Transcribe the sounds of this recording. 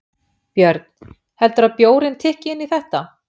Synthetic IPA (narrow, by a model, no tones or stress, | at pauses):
pjœɾt̪n | hɛlt̪ʏɾaðpjoːwɾɪnt̪ʰɪːhcɪɪnːiθɛht̪a